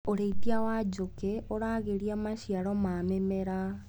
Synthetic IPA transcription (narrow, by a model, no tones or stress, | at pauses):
oɾeitiawad͡ʑokeoɾaːɣeɾiamaɕiaɾɔmamemɛɾa